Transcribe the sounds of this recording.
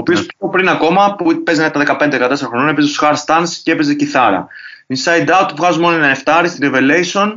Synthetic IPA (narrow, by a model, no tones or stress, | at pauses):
oːpio̞spopɾinɐko̞mɐpupe̞znɐkt̪ɐðekɐpe̞nd̪ðekɐt̪e̞seɾɐxɾononepezosxɐɾst̪ɐnscee̞pezeciθɐɾɐ̰ | insɐjd̪ɐut̪̚uvɣɐzumonoenɐneft̪ɐɾist̪iɾeve̞lejsio̞n